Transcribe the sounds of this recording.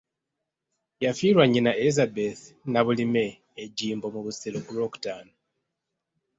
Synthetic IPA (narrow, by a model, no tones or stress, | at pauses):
jafiːɾwaɲːinaʔezabeθnaβulime̞ː | ɟiːmbo̞muβuselokuloku̥taːno